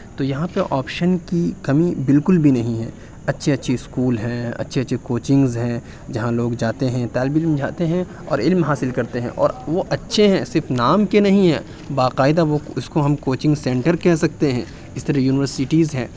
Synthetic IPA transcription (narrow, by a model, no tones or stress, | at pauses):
t̪ojɐɦãpeʔɔːpʃənkikɐmĩbɪlkʊlbʱinɐɦĩɦɛ̰̃ː | ɐtːʃʰeɐtːʃʰeskuːlɦɛ̃ɐ̰tːʃʰeɐtːʃʰekoːt͡ʃɪ̃ŋɡzɦɛ̃ː | d͡ʒɐɦãloːɡd͡ʒaːt̪eɦɛ̃t̪ɛːlbɪlmd͡ʒaːt̪eɦɛ̃ | ɔ̰ːɾɪlmɦaːsɪlkɐɾt̪eɦɛ̃ʔɔ̰ːɾʋoʔɐtːʃʰeɦɛ̃sɪɾfnaːmkenɐɦĩɦɛ̃ː | baːqaːɪd̪aʋoʊskoɦɐmkoːt͡ʃɪ̃ŋɡsɛ̃ːɳʈəɾkɛɦsɐk̚t̪eɦɛ̃ | ɪst̪ɐɾɐjuːnɪʋəɾsɪʈizɦɛ̃ː